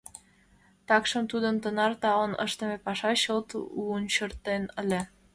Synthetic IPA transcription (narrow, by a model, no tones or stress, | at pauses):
t̪ɑkʃə̆mt̪ud̪ənt̪ənɑrt̪ɑwənə̰ʃt̪ə̆mepɑʃɑɕəlt̪unɕərt̪enəlʲe